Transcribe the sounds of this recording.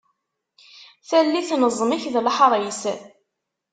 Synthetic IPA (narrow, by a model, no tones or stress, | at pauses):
θælːiθnəzˤːmiçðlħɾˤəjs